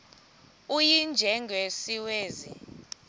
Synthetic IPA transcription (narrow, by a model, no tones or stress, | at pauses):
ujind͡ʒʱɛŋɡʱwesiweːzḭ